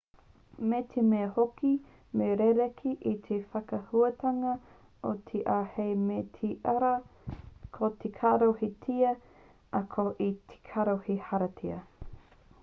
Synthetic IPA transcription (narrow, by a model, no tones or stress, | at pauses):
met̪ʰemeɐhoki | meɾeɾekʰiʔit̪ʰefɐkɐhuɐtʰɐŋɐ | ot̪ʰeʔaːhejmetʰiʔɐɾɐ | kʰot̪ʰekʰaːɾohitʰiɐ | ɐkʰoʔitʰe̥kʰaɾohihɐɾɐtʰiɐ